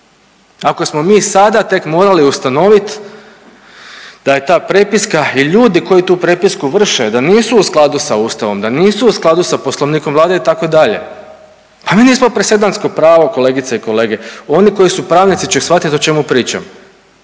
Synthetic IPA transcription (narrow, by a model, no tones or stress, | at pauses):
ako̞smo̞miːsad̪at̪e̞kmo̞ːɾaliust̪ano̞ʋit̪ | d̪̥ajet̪aːpɾepiskaiʎuːd̪iko̞jit̪uːpɾepiskuʋr̩ʃed̪aniːsuːsklˠad̪usauːst̪aʋo̞md̪aniːsuusklˠad̪usapo̞slˠo̞ʋniːkomʋlaːd̪eit̪akoid̪aʎe̞̰ | pamiːniːsmopɾesed̪ansko̞pɾaːʋo̞ko̞le̞ːɡit̪seiko̞le̞ːɡe̞o̞niko̞jisupɾaːʋnit̪it͡ʃexsʋat̪it̪o̞t͡ʃe̞mupɾiːt͡ʃa̰m